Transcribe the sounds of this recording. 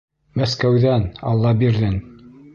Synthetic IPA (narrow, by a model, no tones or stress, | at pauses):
mæskæwðænɑ̰lˠːɑbiɾðɘn